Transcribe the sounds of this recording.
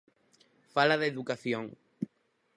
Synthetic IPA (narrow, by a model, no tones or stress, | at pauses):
falaðeðukaθjõŋ